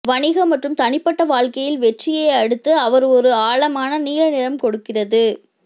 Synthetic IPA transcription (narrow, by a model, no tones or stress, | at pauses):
ʋɐɳɪɣɐmɐʈrɯmt̪ɐɳɪpːɐʈːɐʋaːɻkɐjɪlʋɛʈrɪjeɐɽɯt̪ːɯɐʋɐɾɔɾɯaːɭɐmaːnɐniːɻɐnɪɾɐmkɔɽɯkːɪrɐðɯ